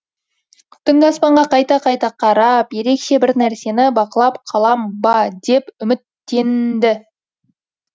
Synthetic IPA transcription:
t̪ʰːɪŋɡʲɑspɑɴʁɑqɑjt̪ɑqʰɑjt̪ɑqʰɑɾɑpje̞ɾe̞kʃe̞bɪɾnæɾse̞nɪbɑqəlˠɑpqʰɑlˠɑmbɑd̪e̞pʏmɪt̪ːe̞nd̪ɪ

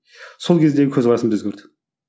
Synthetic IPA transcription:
so̞lˠkʲed̪e̞ɡʲɪkʰʲɵzʁɑɾɑsəmt̪ɵzɡʲeɾd̪ɪ̥

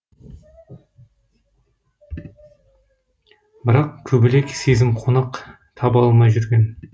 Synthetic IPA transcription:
bɪɾɑqkʲʰɵbɪle̞kʲsezɪmqʰonɑq | t̪ʰɑbɑlˠmɑjʒʏɾɡʲe̞n

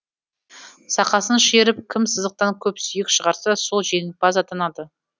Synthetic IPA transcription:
sɑqɑsənʃeɾɪp̚kʲʰɪmsəzd̪əq̚t̪ɑŋkʲʰɵpsʏjɪkʃəʁɑɾsɑso̞lˠʒe̞ŋɪbɑzɑt̪ɑnɑd̪ə

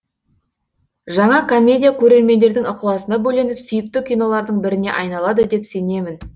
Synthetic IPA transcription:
ʒɑɴɑkʰo̞mʲːe̞dʲijakʲʰɵɾe̞ɾme̞nd̪e̞ɾd̪ɪŋəqəlˠɑsənɑbɵle̞nɪpsʏjɪk̚t̪ɪkʲʰijno̞lˠɑɾd̪əɴbɪɾɪne̞̰ʔɑjnɑlˠɑd̪əd̪e̞pse̞ne̞mɪn

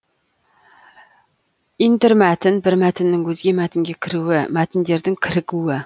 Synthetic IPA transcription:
int̪ɪɾmɛt̪ʰɪnbɪɾmɛt̪ʰɪnːɪŋwɵzɡʲemɛt̪ʰɪŋɡʲekʲʰɪɾuwɪmɛt̪ʰɪnd̪eɾd̪ɪŋkʲʰɪɾɪkuwɪ

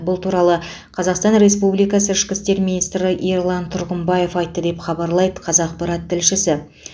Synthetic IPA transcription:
bʊlˠt̪ʰuɾɑlˠə | qʰɑzɑqst̪ɑnɾe̞spublijkɑsəɪʃkʲɪst̪e̞ɾminijst̪ɾɪʔiɾlˠɑnt̪ʰʊɾʁəmbɑje̞fɑjt̪ːəd̪e̞pχɑbɑɾlˠɑjd̪əqʰɑzɑq̚pɑɾɑt̪ʰːɪlʃɪsɪ

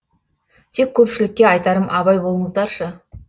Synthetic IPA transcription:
t̪ʰe̞kʲʰːɵpʃɪlɪkʲːe̞ɑjt̪ɑɾəmʔɑβɑjbo̞lˠəɴəzd̪ɑɾʃə

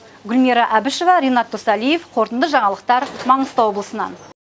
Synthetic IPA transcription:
ɡʲʏlmeɾɑʔæbɪʃovɑɾejnɑt̪ːosɑlije̞fqʰo̞ɾt̪ənd̪əʒɑɴɑlˠəq̚t̪ɑɾmɑɴəst̪ɑwo̞blˠəsənɑ̰n

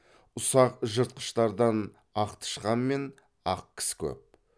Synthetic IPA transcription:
ʊsɑqʒəɾt̪̚qə̥ʃt̪ɑɾd̪ɑn | ɑqt̪ʰə̥ʃqɑnme̞n | ɑq̚kʲʰɪ̥sɪ̥kʲʰɵ̰p̚

